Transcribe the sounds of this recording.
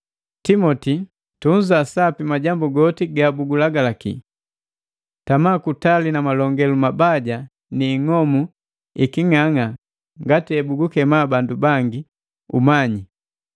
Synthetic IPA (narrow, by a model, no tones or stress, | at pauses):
timɔti | tuɲzasapimaɟambuɡɔtiɡabuɡulaɡalakḭ | tamaːkutalinamalɔŋɡɛlumabaɟa | niːŋɔmu | ikiŋaŋa | ŋɡatiɛbuɡukɛmabandubaŋɡi | umaɲi